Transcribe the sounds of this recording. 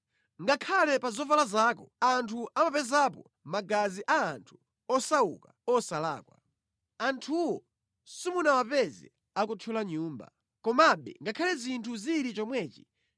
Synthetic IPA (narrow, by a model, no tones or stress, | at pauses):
ŋɡakʰalɛpazɔvalazaːkɔantʰuamapɛzapɔ | maɡaziʔaːntʰu̥ | ɔsaṵkaɔsala̰ːkwa | antʰuwɔ | simunawapɛzɛ̰ | akutʰulaɲuːmba̰ | kɔmaɓɛ̰ŋɡakʰalɛzintʰuziɾit͡ʃɔmwɛːt͡ʃi̥